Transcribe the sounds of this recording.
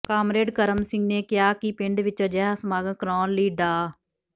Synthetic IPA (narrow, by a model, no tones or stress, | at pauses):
kaːmɾeːɖkəɾəmsɪ̃ŋɡneːkɪjaːkɪpɪɳɖʋɪt͡ʃːd͡ʒɛːɦsmaːɡəkɾɔːnliːɖaː